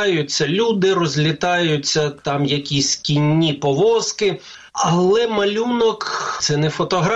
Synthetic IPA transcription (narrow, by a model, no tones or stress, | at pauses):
jʊt͡sʲːɐlʲud̪ɪrɔzʲlʲɪt̪ɑjʊt͡sʲːɐt̪ɑmjɐkʲisʲkʲinʲːipɔʋɔskɪ | ɐlˠɛmɐlʲunɔkt̪sɛnɛfɔt̪ɔɦɾ